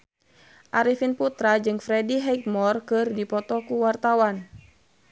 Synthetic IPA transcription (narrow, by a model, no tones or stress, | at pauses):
ʔaɾifinput̪ɾad͡ʒɨŋfɾɛdiɦɛk̚mɔrkɨrdipɔt̪ɔkuwart̪awan